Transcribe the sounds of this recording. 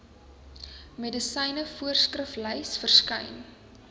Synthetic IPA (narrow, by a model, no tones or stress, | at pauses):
medəsɛjnəfuərskrəflɛjsfərskɛ̰jn